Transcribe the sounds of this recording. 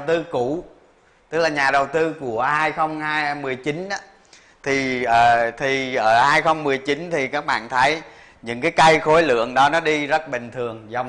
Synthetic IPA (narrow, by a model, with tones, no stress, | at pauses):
wt̪ɨ˧ku˧˩ | t̪ɨ˦˥k̚laː˨˩ɲaː˨˩ɗə˨˩wt̪ɨ˧ku˧˩əhaː˧jxə˧wŋ͡mhaː˧jmɨ˨˩əjt͡ɕi˨˦nʔaː˨˦ | t̪ʰi˨˩ʔəː˨˩t̪ʰi˨˩ʔəː˧˩haː˧jxə˧wŋ͡mmɨ˨˩əjt͡ɕi˨˦nt̪ʰi˨˩kaː˦˥k̚ɓa̰ː˧˨nt̪ʰə˨˦j | ɲɨ̰˧˥ŋkaː˨˦jkə˧jxo˨˦jlɨ̰˧˨əŋɗɔ˨˦nɔ˨˦ɗi˧zə˦˥t̚ɓï˨˩ŋ̟t̪ʰɨ˨˩əŋza˨˩wŋ͡m